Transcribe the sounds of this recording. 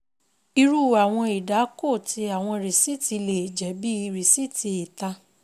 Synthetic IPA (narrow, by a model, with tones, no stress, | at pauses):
i˧ɾu˦˨a˨w̃ɔ̃˧i˨da˨˦ko˦˨ti˧a˨w̃ɔ̃˧˨ɾi˨si˦ti˧le˨d͡ʒɛ˨˦bi˦i˧ɾi˨si˦˨ti˧e˨ta˧